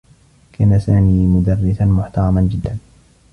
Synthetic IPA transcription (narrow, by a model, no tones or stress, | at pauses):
kaːnasaːmiːmʊd̪ɑrːɪsanmʊħt̪ɑɾˤɑmand͡ʒɪd̪ːan